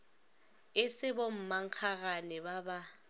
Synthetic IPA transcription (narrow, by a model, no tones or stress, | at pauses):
ɪsɪbom̩maŋ̩k͡xʰaɣanɛbaba